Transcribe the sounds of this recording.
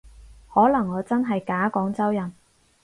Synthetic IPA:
hɔː˨˥lɐ˨˩ŋːɔː˨˧t͡sɐ˥nɦɐ˨jkaː˨˥kɔː˨˥ŋt͡sɐ˥wjɐ˨˩n

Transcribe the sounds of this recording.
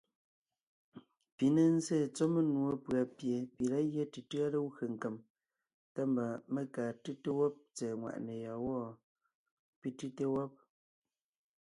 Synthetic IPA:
pi˨ne˨n̩˦zeː˦˨t͡sɔ˦me˦nwo˦pɰa˨pje˨pi˨ɾa˦ɣje˦ti˨tɯ˦a˦lə˦wɣə˨ŋ̩˨ke˨m | ta˦mba˨me˦kaː˨ti˦te˦wɔ˦p̚t͡sɛː˨ŋwa̰˨ʔne˨ja˨wɔ˦˨ | pi˦ti˦te˦wɔ˦p̚

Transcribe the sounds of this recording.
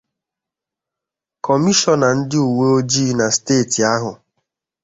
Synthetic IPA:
kɔ˨mi˦ʃɔ˦na˨n̩˦dɪ˦u˨we˦o˦d͡ʒi˦na˨steː˦˨ti˨a˦ɦʊ˨

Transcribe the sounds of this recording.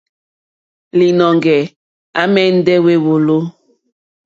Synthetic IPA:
li˨nɔ˨ŋɡɛ˨ | a˦mɛ˦n̩˦dɛ˦we˦wo˨lo˦

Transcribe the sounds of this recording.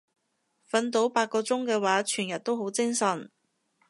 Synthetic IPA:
fɐ˨˧nt̪o˨˥wpaː˧t̚kɔː˧t͡sʊ˥ŋkɛː˧waː˨˥t͡ʃʰyː˨˩njɐ˨t̚t̪o˥wɦo˨˥wt͡sɪ˥ŋsɐ˨˩n

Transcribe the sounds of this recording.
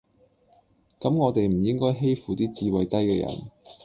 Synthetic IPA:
kɐ˨˥mŋɔː˨˧t̪e˨jm̩˨˩jɪ˥ŋkɔː˥jɦe˥jfuː˨t̪iː˥t͡siː˨˧wɐ˨jt̪ɐ˥jkɛ̰ː˧jɐ̰˨˩n

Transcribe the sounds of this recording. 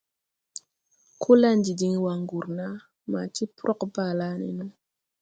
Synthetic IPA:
kʰu˦la˦nd͡ʒi˨di˨ŋ˦wa˨ŋɡu˨ɾna˦ | ma̰˨t͡ʃi˦pɾʔɔ˦kba˨la˦nḭ˨nu˦

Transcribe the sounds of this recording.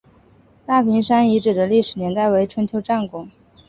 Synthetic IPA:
t̪a˥˩pʰi˧˥ŋʂa˥ni˧˥ʈ͡ʂɻ̩˨˩d̪ə˦li˥˩ʂɻ̩˨˩njɛ˧˥nt̪a˥˩ɪwe˧˥ɪʈ͡ʂʰwə˧˥nt͡ɕʰjʊʈ͡ʂa˥˩nkʊ˨˩˦ŋ

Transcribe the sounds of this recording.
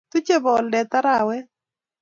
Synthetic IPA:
t̪u˦t͡ʃe˦βɔ˨ldɛ˨t̪a˦ɾa˨wɛ˦

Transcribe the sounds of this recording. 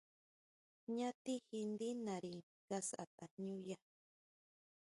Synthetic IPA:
ɲã˦t̪i˦hi˧nd̪i˦naɾi˨ | ɡasa̰˨t̪a˨ɲu˦ja

